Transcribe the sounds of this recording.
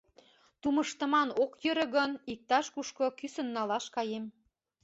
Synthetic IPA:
t̪umə̆ʃt̪ə̆mɑnokjə̆ɾə̆ɣənik̚t̪ɑʃkuʃkokysə̆nːɑlɑʃkɑjem

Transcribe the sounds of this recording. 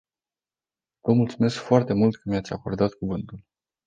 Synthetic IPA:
vəmult̪sume̞skfoart̪e̞mult̪kʰəmijat̪sʲako̞rd̪at̪kuvɨnt̪ul

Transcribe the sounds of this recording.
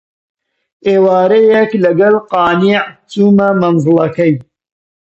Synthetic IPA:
eːwaːɾɐjeklɐɡɐlqɑːniʕt͡suːmɐmɐnzɨlˠɐkɐj

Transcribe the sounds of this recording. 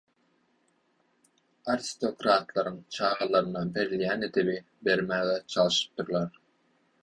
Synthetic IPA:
ɑɾist̪o̞kɾɑːt̪lˠɑɾɯŋt͡ʃʰɑːʁɑlˠɑɾɯnɑbe̞ɾilʲjæːned̪eβi | be̞ɾmæːɣɛt͡ʃʰɑlˠɯʃɯ̥p̚t̪ɯɾlˠɑɾ

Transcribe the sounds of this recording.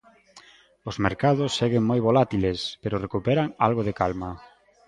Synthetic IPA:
ozmeɾkaðʊsːeɣeŋmojβolat̪ilespeɾʊrekupɛɾaŋalɣoðekalma

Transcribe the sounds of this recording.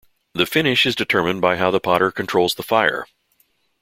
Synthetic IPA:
ðɨfɪ̃ñɪʃɨzdɨtʰɜ˞mɨ̃nbaɪɦaʊðəpʰɑɾə˞kʰntʰɹ̥oʊlˠzðəfaɪə̰˞

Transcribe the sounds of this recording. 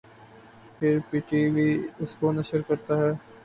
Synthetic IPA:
pʰɪɾpiːʈibʱiʊskonɐʃəɾkɐɾt̪aɦɛː

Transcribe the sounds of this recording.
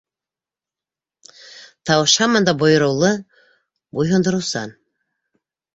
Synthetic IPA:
t̪ʰɑwɤʃɑmɑnd̪ɑbojɤɾɤwlˠɤ | bojɦond̪ɤɾuwsɑ̰n

